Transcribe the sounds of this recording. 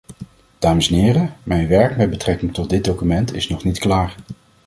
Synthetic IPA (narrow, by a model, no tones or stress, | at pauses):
d̥aːməsɛnɪːrəmɛjnʋɛɹkmɛd̚bətrɛkɪŋtɔt̚dɪd̚dowkymɛntɪsnɔχnitklaːɹ